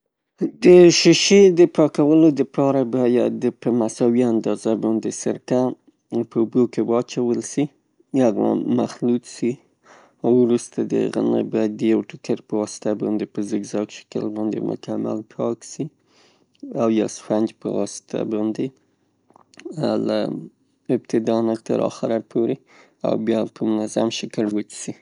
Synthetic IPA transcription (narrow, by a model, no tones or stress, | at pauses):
d̪əʃɪʃed̪əpɑkawəlod̪əpʰɑɾabɑjad̪əpəmasɑwiand̪ɑzabɑnd̪esə̰ɾka | pəubokewɑt͡ʃawəlsi | aɣa̰ma̰xlut̪si | awɾust̪ad̪ə̰ɣa̰nə̰bɑjad̪̚ːəjawʈʊkəɾpəwɑsɪ̥t̪abɑnd̪epəzəɡzɑkʃɪ̥kə̰lbɑnd̪ḛmʊ̰kama̰lpʰɑksi | awjasfand͡ʒpə̰wɑsɪ̥t̪ʰa̰bɑnd̪e | la̰ | ɪbt̪ɪd̪ɑnat̪ə̰ɾɑ̰xaɾaɾpʰoɾe | a̰wbjɑpʰəmʊnazamʃəkəlwət͡ʃsi